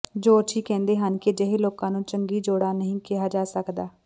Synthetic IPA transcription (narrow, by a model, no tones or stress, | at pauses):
d͡ʒoːət͡ʃʰiːkɛ̃ːnd̪eːɦənkɪd͡ʒəɦeːloːkãːnũːt͡ʃəŋɡiːd͡ʒoːɽaːnəɦĩːkɪɦaːd͡ʒaːsəkd̪aː